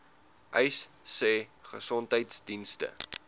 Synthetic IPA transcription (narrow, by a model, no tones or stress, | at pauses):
ʔəjsːɛːχəsɔntɦəjtsdinstə̰